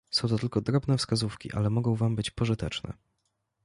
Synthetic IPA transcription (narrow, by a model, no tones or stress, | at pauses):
sɔ̃w̃t̪ɔt̪ɘlkɔd̪ɾɔbnɛfskazufkʲḭʔa̰lɛmɔɡɔ̃w̃vambɘt͡ɕpɔʐɘt̪ɛt͡ʂnɛ̰